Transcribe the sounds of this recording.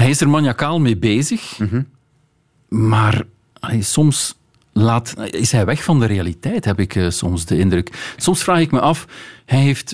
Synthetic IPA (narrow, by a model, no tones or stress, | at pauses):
ɦɛjɪsərmɑnjakaːlˠmeːbeːzəx | maːr | ɑlesɔms | laːtɪsɦɛjʋɛxfɑndəɾejalitɛjtɦɛpɪkːsɔmsdəɪndrɵksɔmsfraːxɪkmɛʔɑfhɛjɦeːft